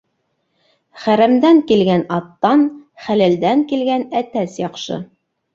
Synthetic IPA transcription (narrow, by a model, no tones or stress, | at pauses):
χæɾæmd̪æŋkilɡænɑt̪ːɑnχælæld̪æŋkilɡænæt̪æsjɑqʃɤ̰